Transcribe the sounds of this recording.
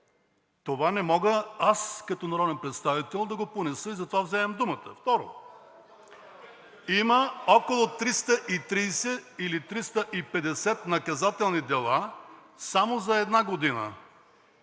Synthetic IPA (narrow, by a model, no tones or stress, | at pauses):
t̪ovanɛmɔɡəaskɐt̪ɔnɐɾɔd̪ɛnpɾɛt̪st̪avit̪ɛlˠd̪ɐɡoponɛsəizɐt̪ovavzɛmɛmd̪umət̪ə̰ft̪ɔɾo̰ | iməɔkolˠot̪ɾist̪əʔit̪ɾisɛilit̪ɾist̪əʔipɛd̪ɛsɛt̪nɐkɐzat̪ɛlˠnid̪ɛlˠa | samozɐɛd̪naɡod̪inə̰